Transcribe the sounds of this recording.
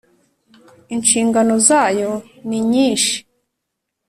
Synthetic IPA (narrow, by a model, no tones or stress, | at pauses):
inʃiːŋɡano̞zaːjo̞ | niɲiːnʃi̥